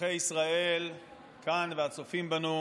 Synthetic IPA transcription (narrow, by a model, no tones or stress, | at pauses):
ejisʁae̞l | kanveat͡sofimbanu